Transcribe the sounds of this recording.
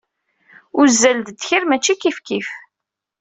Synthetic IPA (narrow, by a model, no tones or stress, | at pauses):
ʊzːæld̪d̪çiɾmæt͡ʃːikifkif